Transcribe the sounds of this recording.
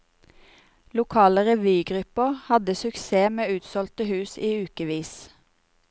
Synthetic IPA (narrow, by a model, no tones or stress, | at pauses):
lʊkʰɑːləʁɛʋyːɡʁʉpəhɑd̪əsʉkseːmeːʉːt̪sɔlt̪əhʉːsiːʉːkəʋiːs